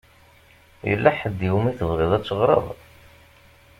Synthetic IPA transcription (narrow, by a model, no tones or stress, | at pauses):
jə̰lːaħəd̪iwmiθəðˤʁiðˤæt͡sːəʁɾˤə̰ðˤ